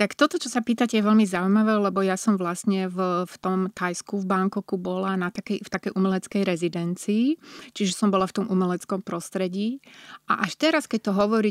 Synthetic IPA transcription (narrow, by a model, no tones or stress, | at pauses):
t̪akt̪ɔt̪ɔt͡ʃɔsapiːt̪acɛjɛʋɛlmizaujmaʋɛːlɛbɔjasɔmʋlasɲɛvft̪ɔmt̪ajskuvbaŋkɔkubɔlanat̪akɛjft̪akɛjʔumɛlɛt͡skɛjɾɛzid̪ɛnt͡siːt͡ʃiʒɛsɔmbɔlaft̪ɔmumɛlɛt͡skɔmpɾɔst̪ɾɛɟiːʔa̰ʔaʃt̪ɛɾaskɛc̚t̪ɔɦɔʋɔɾi